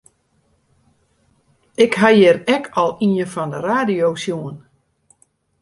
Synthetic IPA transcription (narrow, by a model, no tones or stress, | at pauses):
ɪkɦajɪrɛkʰɔlˠiəfɔndəraːdijowsjuən